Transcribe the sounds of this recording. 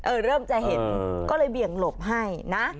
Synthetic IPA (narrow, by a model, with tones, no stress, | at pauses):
ʔɤː˧˩ɾɤː˥˩mt͡ɕa˨˧˩ɦe˨˩˦nkɔː˥˩lɤː˧jbi˨˩əŋlo˨˩p̚ɦa˥˩jna˦˥